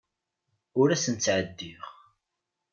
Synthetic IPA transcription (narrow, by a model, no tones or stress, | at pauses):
ʊɾæsənt͡sːʕəd̪ːiʁ